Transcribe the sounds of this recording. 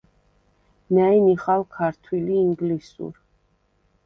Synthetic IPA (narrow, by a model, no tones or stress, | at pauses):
nainiχalkʰaɾt̪ʰwiliːŋɡlisṵɾ